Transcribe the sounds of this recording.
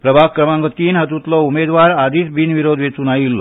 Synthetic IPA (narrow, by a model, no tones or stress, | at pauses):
pɾəbʱakːɾəmãŋɡɔt̪iːnɦət̪ut̪lɔumed̪ʋaɾad̪iːsbinʋiɾod̪ʱʋet͡sunaɦilːɔ